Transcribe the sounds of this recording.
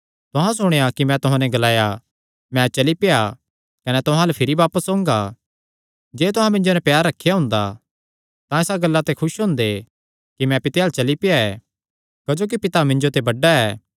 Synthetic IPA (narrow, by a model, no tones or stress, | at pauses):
t̪ʊɦãsʊɽ̃ejakimɛ̃t̪ʊɦãnɛɡɐlaːja | mɛ̃t͡ʃɐlipɪja | kɐnɛt̪ʊɦãlɐpʰɪɾibaːpəsõːŋɡa | d͡ʒeːt̪ʊɦãmɪ̃ɲd͡ʒonɛpjaːɾːɐkʰːejaɦʊ̃ːnd̪a̰ | t̪ãesaɡɐlːat̪ekʰʊʃɦʊ̃nd̪e | kimɛ̃pɪt̪eaːlt͡ʃɐlipɪjaɛː | kɐd͡ʒoːk̬ipɪt̪amɪ̃ɲd͡ʒot̪ebɐɖaɛː